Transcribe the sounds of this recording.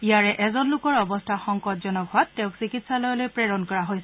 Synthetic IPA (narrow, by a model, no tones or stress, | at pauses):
ijaɹɛʔɛzɔnlʊkɔɹɔbɔstʰaxɔŋkɔtzɔnɔɡʰʱɔatːɛʊ̃ksikitsalɔjɔlojpɹeɹɔnkɔɹaɦojsɛ